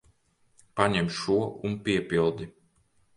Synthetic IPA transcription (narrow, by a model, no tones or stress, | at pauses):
paɲɛmʲʃuɔʔunpʲiɛpʲilˠd̪i